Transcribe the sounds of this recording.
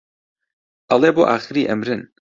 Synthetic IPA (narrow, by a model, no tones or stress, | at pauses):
ʔɐlˠeːboːʔa̰ːxɨɾiːʔɐmɾɨn